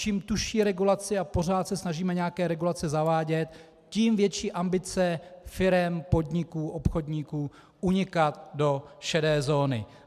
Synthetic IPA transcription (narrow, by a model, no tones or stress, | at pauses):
t͡ʃiːmt̪uʃiːɾɛɡulat͡sɪapo̞r̝aːt̪sɛsnaʒiːmɛɲɛakɛːɾɛɡulat͡sɛzavaːɟɛt̪ | ciːmvjɛt͡ʃiːʔambɪt͡sɛfɪɾɛmpo̞dɲɪkuːʔo̞pxo̞dɲikuː | ʔuɲɪkat̪̚do̞ʃɛdɛːzo̞ːnɪ̰